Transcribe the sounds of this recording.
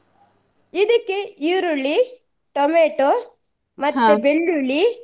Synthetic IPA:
id̪ɐkːeiɾuɭːi | ʈomeːʈo | mɐt̪ːubeɭːuɭi

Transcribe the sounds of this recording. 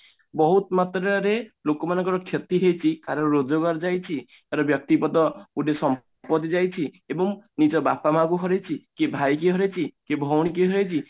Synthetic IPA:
bɔɦut̪mat̪ɾaɾelokɔmanɔŋkɔɾɔkʰjɔt̪iɦejt͡ʃʰikaɾɔɾod͡ʒɔɡaɾd͡ʒajt͡ʃʰi | kaɾɔbjɔk̚t̪ipɔd̪ɔuɖesɔm | pɔt̪izajt͡ʃʰi | ebɔŋnid͡ʒɔbapamakuɦɔɾet͡ʃʰikebʱajkiɦɔɾet͡ʃʰikebʱɔwɽ̃ikeɦɔɾejt͡ʃʰi

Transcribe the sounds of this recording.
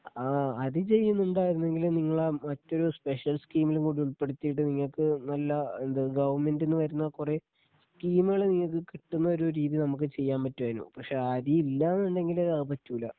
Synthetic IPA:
aːɐðɨt͡ɕe̞jːunːuɳɖaːjiɾunːe̞ŋɡilniŋːɐɭmɐtːo̞ɾuspe̞ʂjɐlskiːmilumkuːɽiuɭpe̞ɽut̪ːijʈ̬ːɨniŋːɐɭkɨnɐlːɐend̪ɨɡɐʋɐnme̞ndenːɨʋɐɾunːɐkure̞ | skiːmuɣɐɭeniŋːɐɭkːɨkiʈːunːɐo̞ɾuɾiːðinɐmuk̬ːɨt͡ɕe̞jːaːmpɐtːuʋɐːnṵpɐkʂe̞ːɐðiilːaːnːuɳɖe̞ŋɡilɐðɐðɨpɐtːuːlɐ̰

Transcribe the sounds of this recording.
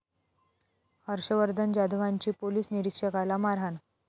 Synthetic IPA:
həɾɕəʋəɾd̪ʱənd͡ʑad̪ʋaɲt͡ɕiːpoliːsniɾikʂəkalamaɾan

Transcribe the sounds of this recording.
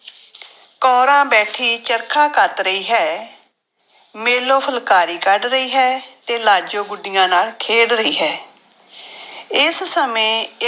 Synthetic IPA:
kɔːɾãːbɛːʈʰiːt͡ʃəɾkʰãːkət̪ɾəiːɦɛː | meːloːpʰəlkaːɾiːkəɖɾəiːɦɛːt̪eːlaːd͡ʒoːɡʊɖːɪjãːnaːlkʰeːɽɾəiːɦɛː | ɪssəmẽː

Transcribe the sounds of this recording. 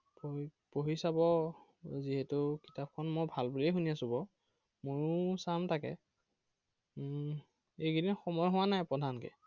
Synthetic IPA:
popoɦisabɔ | ziɦɛtʊkitap̚kʰɔnmɔjbʱalbulejɦuniasubɔ | mojsamtʰakɛ̰ | ejkinixɔmɔjɦʊwanajpɹɔdʱankɛ̰

